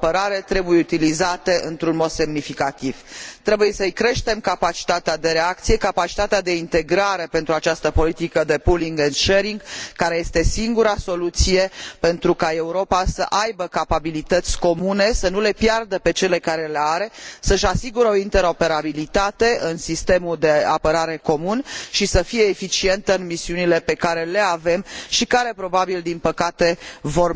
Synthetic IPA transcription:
apəɾaɾe̞t̪ɾe̞bujeut̪ilizat̪e̞ʔɨnt̪ɾunmo̞d̪se̞mnifikat̪iv̥t̪ɾe̞buje̞səɨjkɾe̞ʃt̪e̞mkapat͡ʃi̥t̪at̪ead̪e̞ɾe̞akt̪sije̞kapat͡ʃi̥t̪at̪ead̪e̞int̪e̞ɡɾaɾe̞pe̞nt̪ɾuat͡ʃast̪əpo̞lit̪ikəd̪e̞puliŋɡenʃeɾiŋɡkːaɾe̞je̞st̪e̞siŋɡuɾaso̞lut̪sije̞pe̞nt̪ɾukae̞uɾo̞pasəʔajbəkapabilit̪ət̪sʲko̞mune̞sənule̞pjard̪əpe̞t͡ʃe̞le̞kaɾe̞leaɾe̞səʃasiɡuɾəo̞int̪e̞ɾo̞pe̞ɾabilit̪at̪e̞ʔɨnsist̪e̞mud̪e̞apəɾaɾe̞ko̞munʃisəfije̞ːfit͡ʃie̞nt̪əɨnmisiunile̞pe̞kaɾe̞le̞ave̞mʃikaɾe̞pɾo̞babild̪inpəkat̪e̞vo̞r

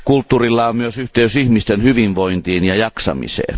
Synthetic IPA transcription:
kult̪ːuːrilːɑommyøsyht̪eysihmist̪enhyʋinʋoint̪iːnjɑjɑksɑ̰mḭsḛːn

